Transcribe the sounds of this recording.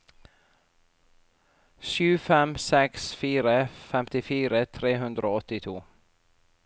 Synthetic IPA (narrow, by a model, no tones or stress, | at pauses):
ʃʉːfɛmsɛksfiːɾəfɛmt̪ɪfiːɾət̪ʰɾeːɦʉnd̪ɾəoːɔt̪ɪt̪ʰuː